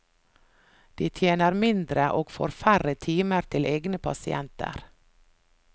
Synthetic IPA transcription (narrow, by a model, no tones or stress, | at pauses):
d̪̥iːt̪ʰjeːnəɾmɪnd̪ɾəʔoːɡfo̰ːɾfæɾət̪ʰiːməɾt̪ʰɪlʔeːɡnəpʰɑ̰sɪ̰ʔɛnt̪ə̰ɾ